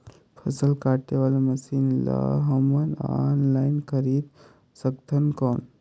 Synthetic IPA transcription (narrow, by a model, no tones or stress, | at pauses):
pʰəsəlkaʈeʋaleməsinla̰ɦəmənanlainkəɾiːt̪ | səkt̪ʰənkon